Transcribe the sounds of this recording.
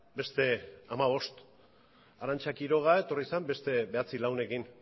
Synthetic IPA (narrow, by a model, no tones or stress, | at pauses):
be̞st̪e̞amaβ̞o̞st̪ | aɾant͡ʃakiɾo̞ɣ̞ae̞t̪o̞risambe̞st̪e̞βe̞at͡silawne̞kin